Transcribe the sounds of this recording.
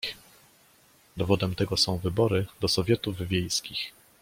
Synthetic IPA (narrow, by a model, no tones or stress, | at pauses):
d̪ɔvɔd̪ɛmt̪ɛɡɔsɔ̃w̃vɘbɔɾɘd̪ɔsɔvʲjɛt̪uvvʲjejskʲix